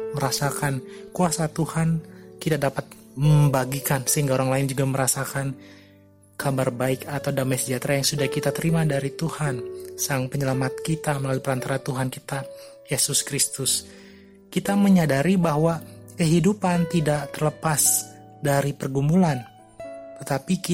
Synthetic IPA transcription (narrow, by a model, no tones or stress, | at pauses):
məɾasakankuasat̪uhankit̪adapat̪̚ | məmbaɡikansəɦiŋɡaoɾaŋlaɪnd͡ʒuɡaməɾasakan | kabarbaɪkat̪awdamasəd͡ʒat̪ɾajaŋsudahkit̪at̪əɾimadaɾit̪uhansaŋpəɲəlamat̪̚kit̪aməlalupəɾant̪aɾat̪uɦankit̪a | jesʊskɾist̪ʊs | kit̪aməɲadaɾibaɦwakəɦidupant̪idaʔt̪ərləpas | daɾipərɡumulan | t̪ət̪apik